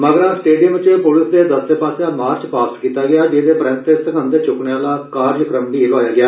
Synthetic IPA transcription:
məɡəɾãsʈeːɖijəmʋt͡ʃepʊlɪsd̪eːd̪əst̪eːpaːsãːmaːɾt͡ʃpaːskiːt̪aːɡɪjaːd͡ʒeːd̪eːpɾə̃nt̪esəkʰə̃nd̪eːt͡ʃʊkɳeãːlaːkaːɾd͡ʒkɾəmbiːloːjaːɡɪjaː

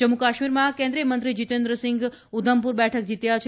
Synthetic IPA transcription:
d͡ʒəmukaʃmiɾmãkẽnd̪ɾijəmənt̪ɾid͡ʒit̪ẽnd̪ɾəsɪ̃ŋɡ | ud̪ʱəmpuɾbɛʈʰək̚d͡ʒit̪jat͡ʃʰ

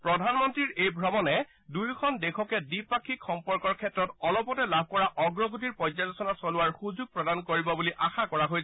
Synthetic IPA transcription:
pɹɔdʱanmɔntɹiɹejbʱɹɔmɔnɛ | dujkʰɔndekʰɔkɛdipakʰikxɔmpɔɹkɔɹkʰɛtɹɔtɔlɔpɔtɛlab̚ʱkɔɹaʔɔɡɹɔɡutiɹpɔzalɔsɔnasɔlʊwaɹxuzuɡ̚pɹɔdankoɹibɔbuliʔaxakɔɹaɦoj

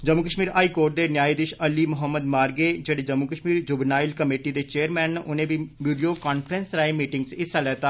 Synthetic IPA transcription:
d͡ʒəmːukəʃmiːɾaːiːkoːɾʈ̚d̪eːnjaːiːd̪ɪʃəliːmʊɦəmːəd̪maːɾɡeːd͡ʒeːɽeːd͡ʒəmːukəʃmiːɾd͡ʒʊbnaːɪlkəmeːʈiːd̪eːt͡ʃeːəɾmɛ̃ːnʔʊnẽːbiːʋiːɖioːkaːnpʰəɾənsɾaːemiːʈɪŋɡt͡ʃɪsalɛːt̪aː

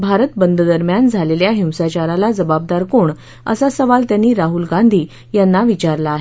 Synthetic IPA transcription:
bʱaɾət̪̚bənd̪ʱd̪əɾmjand͡zʱaleljaɦiwsat͡ɕaɾalad͡zəbab̚d̪aɾkoɳ | ə̰sasəʋalt̪janːiːɾaɦulɡand̪ʱiː | janːaʋit͡ɕaɾlaːɦe

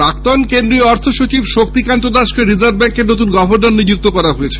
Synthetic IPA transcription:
ak̚t̪ɔnkend̪ɾiɔɾt̪ʰoʃot͡ɕibʃok̚t̪ikant̪od̪aʃkeɾid͡ʑaɾbbɛŋkenot̪unɡɔbʱoɾd̪ɔnːid͡ʑuk̚t̪okɔɾaɦoet͡ɕʰe̥

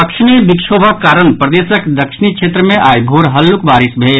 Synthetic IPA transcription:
ɐkʃnebikʃʰoːbʱəkːaːɾənpɾəd̪eːsəkd̪əkʃɪnikʃʰeːt̪ɾəmẽʔaːjbʱoːɾɦɐlːukbaːɾisbʱeː

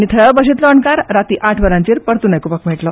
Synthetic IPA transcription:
nit̪ʰəbəɕit̪lɔəɳkaɾːat̪iːʔaʈʰʋəɾãɲt͡ɕiːɾpəɾt̪unajkupakmɛʈlɔ

